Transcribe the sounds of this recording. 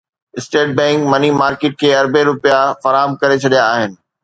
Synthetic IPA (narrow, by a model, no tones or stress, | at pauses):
ɪsʈeːʈ̚bɛ̃ːŋkmɐnimaːɾkɪːʈ̚kʰeːɐɾbeɾʊpjafɐɾaːɦəmkɐɾet͡ɕʰɐɗijaːɦɪnɪ̆